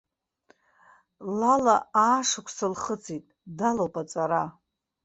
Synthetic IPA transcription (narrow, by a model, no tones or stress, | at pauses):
lalaaːʂɨkʷʰsɨlχət͡sʰʼitʼdalopʼat͡sʼaɾa